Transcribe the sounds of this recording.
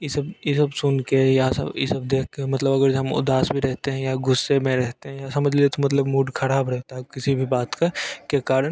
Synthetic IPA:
jɪsɐbjesɐbsʊnkejasɐ̰bjɪ̰sɐb̚d̪eːkʰkemɐt̪ləbɐɡəɾɦɐmʊ̰d̪aːsbʱiɾɛɦt̪eɦɛ̃jaɡʊsːemẽɾɛɦt̪eɦɛ̃jasɐməd͡ʒʱliet̪omɐt̪ləbmuːɖkʰɐɾaːbɾɛɦt̪aɦkɪsibʱibaːt̪kɐkaːkaːɾən

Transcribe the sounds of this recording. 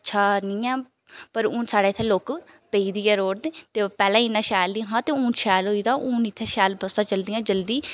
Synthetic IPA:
ətːʃʰaːnĩːãː | pəɾʊ̃ːnsaːɽaːɪt̪ʰeːloːkpəiːd̪iːɛːɾoːɽd̪eːt̪eːpɛːlãːinːãːʃɛːlːiːɦãːt̪eːʊ̃ːnʃɛːloːiːd̪aːʔũːnɪt̪ʰːeːʃɛːlbəsd̪ãːt͡ʃəld̪ijãːd͡ʒəld̪iː

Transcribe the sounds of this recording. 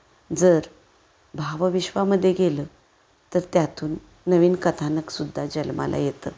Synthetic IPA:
d͡zəɾ | bʱaʋʋiɕʋaməd̪ʱːjeɡelə | t̪əɾt̪jat̪uːnː | əʋiːnkət̪ʰanəksud̪ʱːad͡ʑəlma̰lʔa̰jet̪ə̰ː

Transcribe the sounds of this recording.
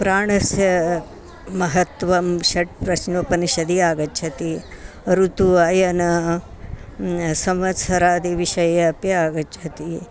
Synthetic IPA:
pɾaːɳɐsjɐ | mɐɦɐt̪ʋɐmʃɐʈ̚pɾɐʃnʋɐpɐniʃɐd̪iaːɡɐt͡ʃːʃʰɐt̪i | ɐɾut̪uɐjɐnɐ | sɐmɐtsʰɐɾaːd̪iʋiʃɐjɐːpjɐaːɡɐt͡ʃʰɐt̪i

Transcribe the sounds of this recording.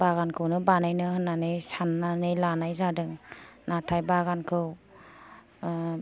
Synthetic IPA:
baɣankʰɯwnɯbanajnɯhɯnːanɯjsanːanɯjlanajzadɯŋnatʰajbaɡankʰɯw

